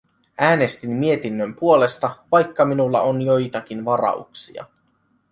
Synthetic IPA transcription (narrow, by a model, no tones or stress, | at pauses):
ʔæːne̞st̪imːie̞t̪inːømpuole̞st̪ɑʋɑjkːɑminulːɑ̰onjo̞jt̪ɑk̟inʋɑɾɑ̰ṵksḭɑ̰